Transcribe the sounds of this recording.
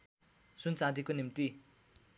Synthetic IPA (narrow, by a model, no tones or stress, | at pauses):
sunt͡sãd̪ikonimt̪i